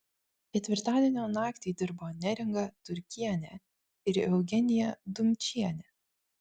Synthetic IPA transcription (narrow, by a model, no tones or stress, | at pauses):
kʲɛt̪ʲʋʲɪɾt̪ɑːd̪ʲiɛnʲoːnɑːkt̪ʲiːd̪ʲɪɾboːnʲɛɾʲɪŋɡɐt̪ʊɾʲkʲiɛnʲɛ | ɪɾɛʊɡʲɛnʲɪjɛd̪ʊmʲt͡ʃʲiɛnʲɛ